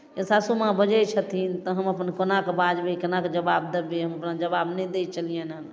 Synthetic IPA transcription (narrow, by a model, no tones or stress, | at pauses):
esasumãbəd͡ʒəjt͡ʃʰət̪ʰint̪əɦəməpənkonakbad͡ʒbekənakd͡ʒəbabd̪əbeɦəməpnad͡ʒəbabnəd̪et͡ʃəlijənən